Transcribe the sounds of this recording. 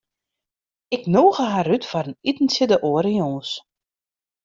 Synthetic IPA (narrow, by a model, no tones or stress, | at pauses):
ɪknoːɣəɦarytfɔɾənitn̩sɪdəʔoəɾijoːs